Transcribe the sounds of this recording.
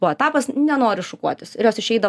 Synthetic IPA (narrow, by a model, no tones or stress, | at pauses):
ut̪ɑːpɐsnʲɛnoːɾʲɪʃʊkuɔt̪ʲɪsɪ̰ɾjoːsɪʃʲɛɪd̪ɐ